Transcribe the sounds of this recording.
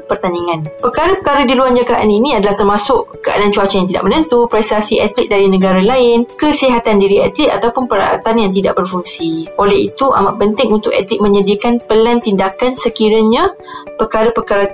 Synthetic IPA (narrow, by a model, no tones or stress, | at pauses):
pərt̪aniŋãnpərkaɾəpəkaɾadiluand͡ʒaɡaʔaninĩadalaht̪ərmasʊʔkəa̰dant͡ʃuat͡ʃajaŋt̪idaʔmənənt̪upɾɛst̪asiat̪liʔ̚daɾinə̃ɡaɾalaɪnkəsiɦat̪andiɾiat̪lit̪̚at̪awpʊnpəɾa̰ʔa̰t̪anjaŋt̪̬ida̰ʔ̚bərfuŋsiʔolɛhḭt̪uʔa̰maʔ̚pənt̪ɪŋunt̪ʊkɛ̰t̪lɪʔ̚mə̃ɲədiakanpəlant̪indakansəkiɾaɲã | pərkaɾapəkaɾa